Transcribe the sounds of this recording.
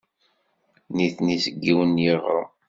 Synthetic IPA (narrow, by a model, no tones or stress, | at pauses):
niθnisəɡːiwənjeʁɾˤə̰